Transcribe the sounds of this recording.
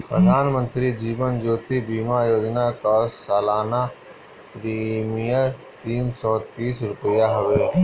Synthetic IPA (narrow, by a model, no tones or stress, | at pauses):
pɾə̰d̪ʱaːnmə̃nt̪ɾid͡ʒiːʋənd͡ʒoːt̪ibiːmajoːd͡ʒnakaːssaːlaːna | pɾimijəɾ | t̪iːnsɔːt̪iːsɾʊpəjaɦəʋeː